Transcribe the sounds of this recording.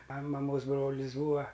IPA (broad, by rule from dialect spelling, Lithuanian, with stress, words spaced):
ɐ mɐˈmoːs ˈbroːlʲɪs ˈbuːɐ